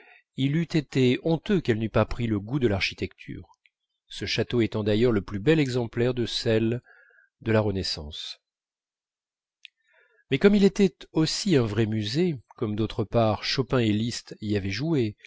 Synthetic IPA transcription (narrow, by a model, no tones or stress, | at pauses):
ilyt̪et̪eɔ̃t̪økɛlnypapχiləɡud̪əlaʁʃi̥t̪ɛkt̪ʰy̰ʁ | səʃat̪oet̪ɑ̃d̪ajœʁləplybɛlɛɡzɑ̃plɛʁd̪əsɛl | d̪əlaʁənɛsɑ̰̃s | mɛkɔmilet̪ɛt̪osiɛ̃vʁɛmyzekɔmd̪ot̪χəpaʁʃɔpɛ̃elist̪iavɛʒue